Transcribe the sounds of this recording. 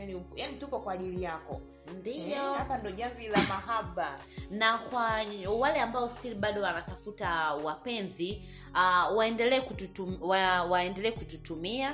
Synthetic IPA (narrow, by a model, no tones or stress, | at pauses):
janijanitupɔkwaːʄilijakɔ | ndiɔhapandiɔʄambilamaɦaɓa | nakwawalɛambaɔstiliɓaɗɔwanatafutawapɛnzi | awaɛndɛlɛːkututuwawaɛndɛlɛːkututumia